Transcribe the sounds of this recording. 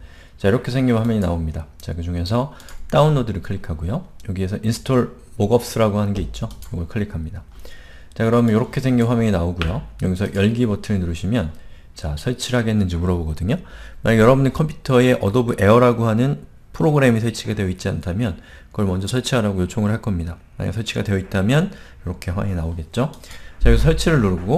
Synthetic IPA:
t͡ɕaiɾʌkʰe̞sʰe̞ŋɡiɭwamjʌɲinaomɲidat͡ɕakɯd͡ʑuŋe̞s̬ʰʌt͈aunːodɯɾɯɭkʰɯɭːikʰaɡujojoɡie̞sʰʌʔinsʰɯ̥tʰoɭ | moɡʌp̚s͈ɯɾaɡohanɯnɡe̞it̚t͡ɕ͈oʌɡʌɭkʰɯɭːikʰamɲida | t͡ɕakɯɾʌmɯnjoɾʌkʰe̞sʰe̞ŋɡinɸwamjʌŋinaoɡujojoɡisʰʌjʌɭɡibʌtʰɯɯɭnuɾɯɕʰimjʌn | t͡ɕasʰʌɭt͡ɕʰiɭɦaɡenːɯnd͡ʑimuɾʌboɡʌdɯɲomaɲiɡjʌɾʌbunekʰʌmpʰu̥tʰʌe̞ʔʌdobuʔe̞ʌɾaɡohanɯn | pʰɯɾoɡɯɾe̞misʰʌɭt͡ɕʰiɡadwe̞jʌit̚t͡ɕ͈iantʰamjʌn | kɯɡʌɭmʌnd͡ʑʌsʰʌɭt͡ɕʰiɦaɾaɡojot͡ɕʰoŋɯɭhaɭk͈ʌmɲida | ma̰ɲa̰ɡasʰʌɭt͡ɕʰiɡadejʌit̚t͈amjʌnjoɾʌkʰe̞ɸwa̰ŋinaoɡe̞t̚t͡ɕ͈ot͡ɕajʌɡisʰʌsʰʌɭt͡ɕʰiɾɯɭnuɾɯɡo

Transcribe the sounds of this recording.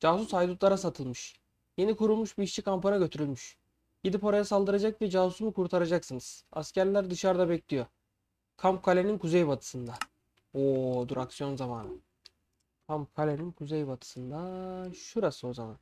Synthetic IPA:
d͡ʒaːsusajd̪ut̪lˠaɾasat̪ʰɯlˠmɯʃ | jenikuɾulˠmuʃbiiːʃt͡ʃʰikampanaɟø̞t̪ʰyɾylʲmyʃ | ɟ̥id̪ipo̞ɾajasalˠd̪ɯɾad͡ʒakvɛd͡ʒaːsu̥sumukʰuɾt̪ʰaɾad͡ʒaksɯnɯz̥a̰scæɾlʲæɾd̪ɯʃaɾd̪abɛclʲijo̞ | kʰamp̚kʰalʲeninkʰuzejbat̪ʰɯ̥sɯnd̪a | od̪uɾaksijo̞nzamaːnɯ̰ | kʰamp̚kʰalʲeninkʰuzejbat̪ʰɯ̥sɯnd̪aʃuɾasɯo̞zaman

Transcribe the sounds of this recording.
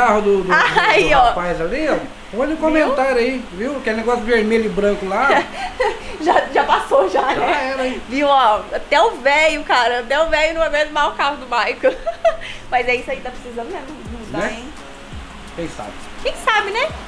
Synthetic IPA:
aɦʊd̪ʊd̪ʊaiɔpajzaliɔ | olũkõmẽnt̪aɾjɐiviwkɛneɡɔsʊd͡ʒɪveɾmeʎʊɪbɾɐ̃kʊla | ʒaʒapasoʒanɛaɛɾɐiviwɔat̪ɛʊvɛjʊkaɾɐat̪ɛʊvɛjʊñɛmẽt̪ʊmawʊkahʊd̪ʊmajkʊ | mɐjzɛisʊaĩd̪apɾesizɐ̃d̪ʊmɛʊnũd̪nɛẽ | kẽj̃sa̰bɪ | kẽj̃sabɪnɛ

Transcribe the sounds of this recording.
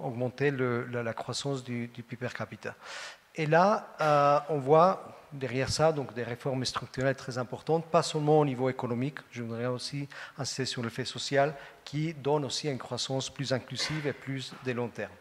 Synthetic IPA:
ɔɡmɑ̃t̪eləllakχwasɑ̃sd̪yd̪ypypɛʁkapit̪a | ela | ɔ̃vwad̪ɛʁjɛʁsad̪ɔ̃kd̪eʁefɔʁmst̪χyk̚t̪yʁɛlt̪χɛzɛ̃pɔʁt̪ɑ̃t̪̚pasœlmɑ̃onivoekonɔmikʒəvud̪ʁɛosiɛ̃si̥st̪esyʁlefesɔsjalkʰid̪ɔnosiaynkχwasɑ̃splyzɛ̃klyziveplysd̪elɔ̃t̪ɛʁm

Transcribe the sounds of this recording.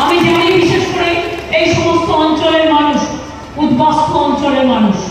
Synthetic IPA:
amid͡ʑekʰanibiʃeʃkoɾeejʃɔmost̪oɔnt͡ɕoleɾmanuʃ | ud̪bast̪ʰoɔnt͡ɕoleɾmanuʃ

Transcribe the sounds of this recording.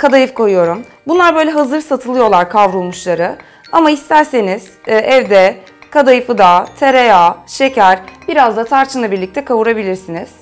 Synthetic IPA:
kʰad̪ajɯfkʰo̞jujo̞ɾum | bunlˠaɾbø̞jlʲɛɦazɯɾsat̪ʰɯlˠɯjo̞lˠaɾkʰavɾulˠmuʃlˠaɾɯ | amaist̪ʰæɾse̞niz̥ːʔɛvd̪ɛ | kʰad̪ajɯfɯd̪at̪ʰeɾejaʃe̞cæɾbiɾazd̪at̪ʰaɾt͡ʃʰɯnˠabiɾlʲic̚t̪ʰɛkʰavuɾabilʲiɾsiniz̥

